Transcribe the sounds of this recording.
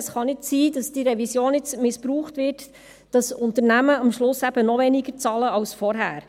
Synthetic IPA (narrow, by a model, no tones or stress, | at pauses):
sχɑnɪtsiːdɑsd̥iɾɛvisjoːnɪt͡smɪspɾuːχtʋɪɾt | d̥ɑsʊntəɾnæməɑmʃlʊsæb̥ənɔvɛniɡət͡sɑːləɑlsfɔɾɦæ̰ːɾ